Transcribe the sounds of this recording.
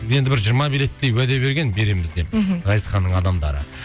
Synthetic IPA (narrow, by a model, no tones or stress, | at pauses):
je̞nd̪ɪbɪɾʒijəɾmɑbilet̪ːe̞jwæd̪e̞βe̞ɾɡʲe̞nbe̞ɾe̞mɪzd̪e̞p̚ʁɑjəsχɑnːəɴɑd̪ɑmd̪ɑ̰ɾə̰